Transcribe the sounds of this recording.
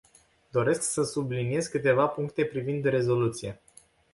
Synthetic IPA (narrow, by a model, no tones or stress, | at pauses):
d̪o̞ɾe̞sksəsublinije̞zkɨt̪e̞vapuŋkt̪e̞pɾivind̪ɾe̞zo̞lut̪sije̞